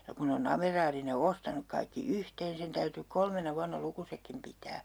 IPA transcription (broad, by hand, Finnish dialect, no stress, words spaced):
jɑ kun ne on ɑmerɑːri ne ostɑnuk kɑikːi yhteːn sen tæyty kolmenɑ ʋuɑnːɑ lukusekːim pitæː